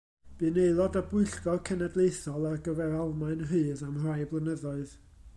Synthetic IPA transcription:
b̥ɨneɨlˠɔdəbʊɨɬɡɔrkʰənadlˠejθɔlˠarɡəvɛɾalˠmaɨnrɨːðamrajblˠənəðɔɨð

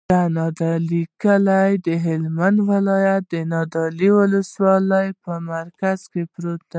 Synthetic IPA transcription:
d̪anɑd̪ɑlikalajd̪əɦɪlmand̪wɪlɑjat̪̚d̪ənɑd̪ɑliwʊləswɑləjpəmaɾkaz̥kepɾot̪̚a

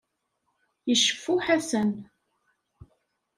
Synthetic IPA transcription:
jəʃəfːuħasən

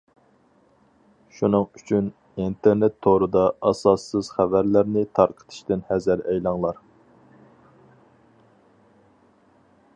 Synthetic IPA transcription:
ʃunɨŋyt͡ʃʰyn | int̪ʰeɾnɛt̪ʰːoɾɨd̪ɑɑsɑsːɨz̥χævæɾlæɾnɪt̪ʰɑɾqʰə̥t̪ʰɨ̥ʃt̪ɪnhɛzæɾɛjlˠɑŋlˠɑɾ

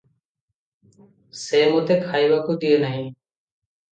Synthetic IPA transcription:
seːmõːt̪ʰeːkʰaːiːʋaːkuːd̪ieːnəɦĩː

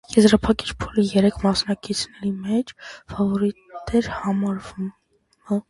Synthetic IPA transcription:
jɛzɾɑpʰɑkit͡ʃʰpʰulijɛɾɛkʰmɑsnɑkit͡sʰnɛɾimɛt͡ʃʰfɑvɔɾit̪ɛɾhɑmɑɾvum | ə

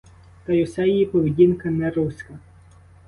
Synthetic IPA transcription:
t̪ɐjʊsɛjijipɔʋedʲinkɐnɛɾusʲkɐ

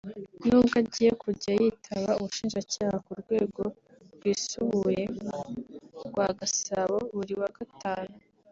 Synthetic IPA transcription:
nuːbɡaɟiːje̞kʰuɟajitʰaβauβuʃiːnʒacaːhakuɾɡwe̞ːɡo̞ | ɡwiːsuβuje̞ | ɡwaɡasaβo̞βuɾiwaɡataːnu

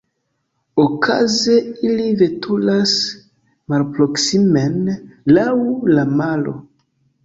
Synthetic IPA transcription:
okʰa̰ze̞ilive̞tʰulas | malpɾoksimenlawlamalo̞̰

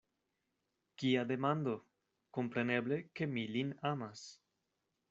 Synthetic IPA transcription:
kiad̪emãnd̪o | kompɾeneβlekemilinamas

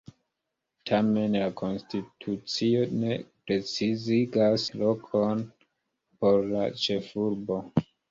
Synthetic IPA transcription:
tʰame̞nlakʰo̞nstitʰut͡sio̞ne̞pɾe̞t͡siziɡaslo̞kʰo̞n | po̞ɾla̰t͡ʃe̞fuɾbo̞

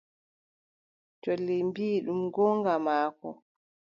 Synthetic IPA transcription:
t͡ʃolːimbiːɗumɡɔŋɡamaːkɔ̰

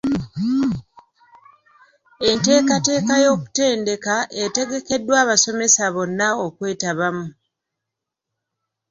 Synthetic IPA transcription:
e̞nte̞ːkate̞ːkajo̞ːku̥te̞ːnde̞kaʔe̞te̞ɡe̞ke̞dwaːβaso̞me̞saβo̞nːao̞kwe̞ːtaβamu

